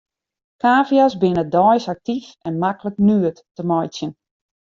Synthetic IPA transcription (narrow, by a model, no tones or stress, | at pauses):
kaːvjɔsbɪnədɔjsak̚tifɛnmakələknyətː | əmɔjsjən